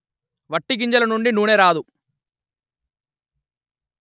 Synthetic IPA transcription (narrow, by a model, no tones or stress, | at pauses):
ʋɐʈːiɡiɲd͡ʒɐlɐnuɳɖinuːne̞ːɾaːd̪u